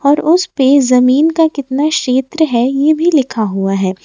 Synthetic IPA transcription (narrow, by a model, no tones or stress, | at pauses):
ɔːɾʊspezɐmiːnkakɪt̪naʃeːt̪ɾəɦɛjebʱilɪkʰaɦuaɦɛː